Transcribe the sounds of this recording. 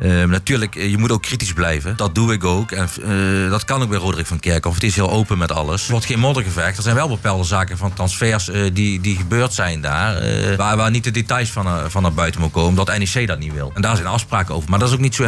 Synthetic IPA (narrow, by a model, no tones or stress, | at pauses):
ənatyːɹləkjəmutowkːritizblɛjvəd̥ɑt̚duɪk̬owkɛndɑtkɑnok̚bɛjrodərɪkfɑnkɪɹkɔfətɪsɦɪːlˠowpəmɛtɑ̰lˠəsʋɔɹtxejnmɔdəɣəvɛxtdɛɹzɛjnʋɛlˠbəpɛlˠdəzaːkəvɑntrɑnsfɛːɹsdidiɣəbøːɹtsɛjnda̰ːr̰ʋaːʋaːnit̚dədetɑjsfnvɑnːaɹbœɥtənmut̚koːməndɔtɛnesejdɑt̚nitʋɪ̰lˠɛndaːɹzɛjnɑfspraːkəo̰wvəɹmaːdɔtɪs̬owknitso